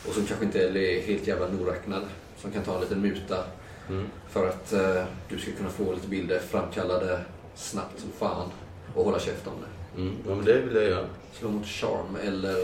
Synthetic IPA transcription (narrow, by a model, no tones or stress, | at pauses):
ʔɔsɔmkʰanɧəɪnt̪əɛlɛɦeːlt̪jæːvlanuːɾɛknad̪ | sɔmkʰant̪ʰɑːɛnliːt̪ənmʉ̟ːt̪a | fœɾat̪d̪̥ɵskakʰɵnːafoːliːt̪əbɪld̪əɾfɾamːkʰalːad̪ə | snapt̪sɔmfaːn | ɔhɔlːaɕɛft̪ɔmd̪ɛɑmɛnd̪ɛvɪljajœːɾa | sloːmʊt̪ɕɑ̰ɾmɛlːəɾ